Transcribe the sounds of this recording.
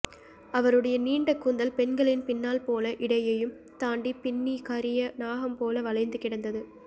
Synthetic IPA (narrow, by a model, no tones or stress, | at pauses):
ɐʋɐɾɯɽɐjɐniːɳɖɐkːuːnd̪ɐlpɛnɡɐɭɪnpɪnːaːlpoːlɐʔɪɽɐjɐjɯm | t̪aːɳɖipɪɳːikaɾɪjɐnaːɣɐmpoːlɐʋɐlɐɪnd̪ɯkɪɽɐnd̪ɐðɯ